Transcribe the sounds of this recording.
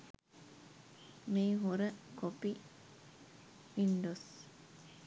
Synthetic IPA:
miːɦoɾəkopi | ʋinɖos

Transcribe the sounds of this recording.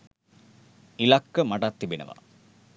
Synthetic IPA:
ilakːəmaʈat̪ːibinə̰ʋa̰

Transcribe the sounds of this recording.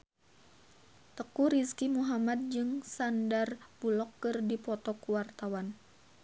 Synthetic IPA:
t̪əkuɾiskimuɦamad̪̚d͡ʒɨŋsandarbulɔkːɨrdipɔt̪ɔkuwart̪awan

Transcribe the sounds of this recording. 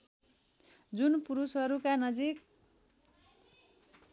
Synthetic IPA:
d͡zunpuɾusɦʌɾukanʌd͡zik

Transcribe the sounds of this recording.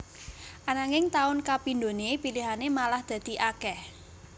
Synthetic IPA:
ʔanaŋɪŋt̪aʊnkapind̪o̤nepiliɦanemalahd̪̥ä̤d̪̥i̤ʔakɛh

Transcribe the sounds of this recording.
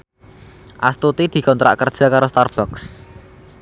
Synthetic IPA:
ʔast̪ut̪id̪̥i̤kɔnt̪ɾa̰ʔkərd̥ʒ̥a̤kaɾost̪arb̥ɔks

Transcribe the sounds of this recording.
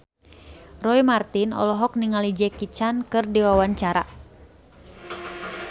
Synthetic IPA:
rɔimart̪inɔ̰lɔɦɔk̚niŋalid͡ʒɛkit͡ʃankɨrdiwawaɲt͡ʃaɾa

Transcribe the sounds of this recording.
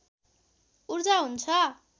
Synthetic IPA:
urd͡zaɦunt͡sʰʌ

